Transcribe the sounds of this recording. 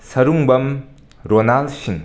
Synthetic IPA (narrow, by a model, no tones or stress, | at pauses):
sɐɾuŋbɐm | ɾonalsiŋ